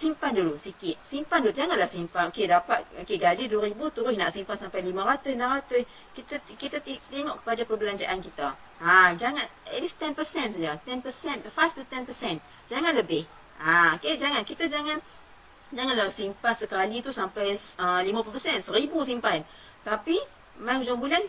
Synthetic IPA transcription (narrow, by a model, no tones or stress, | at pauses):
simpandulusikɪt̪̚simpanduud͡ʒaŋanlahsimpanokedapat̪̚okeɡad͡ʒiduwaɾibut̪uɾʊsnaʔsimpansampajlimaɾat̪ʊnaɾat̪ʊs | kit̪akit̪at̪it̪eŋɔʔkə̥padapərbəlaɲd͡ʒaʔankit̪a | ad͡ʒaŋanət̪list̪ɛnpəsɛnsad͡ʒat̪ɛnpəsɛnfaft̪ut̪ɛnpəsɛn | d͡ʒaŋanləbɪh | aked͡ʒaŋankit̪ad͡ʒaŋan | d͡ʒaŋanlasimpansəkalit̪usampajəlimãpupərsɛnsəɾibusimpan | t̪api | majŋd͡ʒaŋbulan